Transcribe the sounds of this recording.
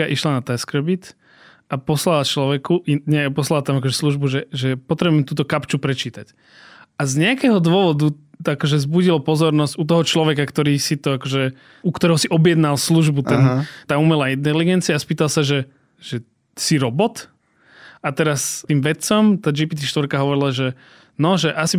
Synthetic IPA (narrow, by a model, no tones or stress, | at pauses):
aʔiʃlanat̪askɾbit̪ | apɔslalat͡ʃlɔʋɛkuiɲɛpɔslalat̪amakɔʒɛsluʒbuʒɛʒɛpɔt̪ɾɛbuɛmt̪uːt̪ɔkapt͡ʃupɾɛt͡ʃiːt̪ac | ʔazɲɛakɛɦɔd̪wʊɔʋɔd̪u | akɔʒɛzbuɟilɔpɔzɔɾnɔzɟut̪̬ɔɦɔt͡ʃlɔʋɛkakt̪ɔɾiːsit̪ɔakɔʒɛ | ukt̪ɔɾɛɦɔsiʔɔbjɛd̪nalsluʒbut̪ɛnt̪aːumɛlaːint̪ɛliɡɛnt͡siaːspiːt̪alsaʒɛ | ʒ̥ɛ | siɾɔbɔt̪ | at̪ɛɾast̪iːmʋɛt͡sɔmt̪aːd͡ʒipiːt̪iʃt̪ʋɔɾkaɦɔʋɔɾilaʒɛ | nɔʒɛʔasi